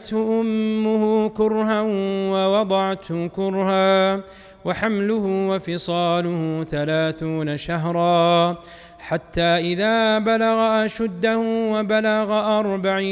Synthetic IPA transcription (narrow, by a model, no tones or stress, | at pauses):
t̪ʔʊmːʊhʊkʊɾɦawɑwɑd̪ˤɑʕt̪hʊkʊɾhaː | waħamlʊhʊwafɪsˤɑːlʊhʊθalaːθuːnaʃaɦɾˤɑː | ħat̪ːaːʔɪðaːbalaɣaʔaʃad̪ːahʊwabalaɣaʔɑɾˤbaʕiː